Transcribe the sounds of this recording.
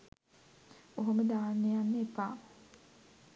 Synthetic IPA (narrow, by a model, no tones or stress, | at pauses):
oɦoməd̪aːnːejanːeːpaː